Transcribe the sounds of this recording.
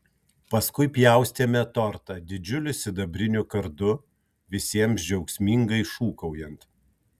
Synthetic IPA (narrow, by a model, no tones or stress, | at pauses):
pɐskʊɪpʲjæˑʊsʲt̪ʲeːmʲɛt̪ɔɾt̪ɐd̪ʲɪd͡ʒʲʊlʲʊsʲɪd̪ɐbʲɾʲɪnʲʊkɐɾd̪ʊ | ʋʲɪsʲiɛmsd͡ʒʲɛʊksʲmʲiŋɡɐɪʃuːkɐʊjɛnt̪